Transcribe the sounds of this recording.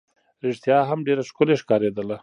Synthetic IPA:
ɾɪʂt̪jɑɦamɖeɾaʃkʊleʃkɑɾed̪əla

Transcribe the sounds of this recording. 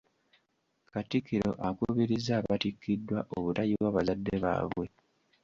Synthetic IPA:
katikːiɾo̞̰ʔakuβiɾizaːβatikːidːwaʔoβutajiwaːβazadːe̞βa̰ːβwe̞

